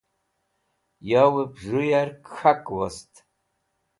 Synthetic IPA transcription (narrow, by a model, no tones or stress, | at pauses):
jawɨbʐɨjarkxakʼwastʰʼ